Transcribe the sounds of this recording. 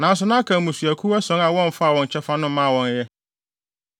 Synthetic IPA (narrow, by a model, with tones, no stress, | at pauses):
nã˨˦n˦s̬ʊ˨nã˦a˦kʰã˨mũ˨sɥæ˨kʰu˦ɛ˦sɔ̃˨˦ŋa˨wɔ̃˦ɱ˨fa˦˨wɔ̃˨ɲ˨t͡ɕʰɛ˦fa˦nʊ̃˦mã˦˨wɔ̃˦n˦jɛ˦